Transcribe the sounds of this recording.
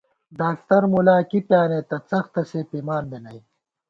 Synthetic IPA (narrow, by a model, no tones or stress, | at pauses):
ɖaːk̚t̪ɐɾmulaːkipjaːneːt̪ɐt͡sɐxt̪ɐseːpimaːnbenɐj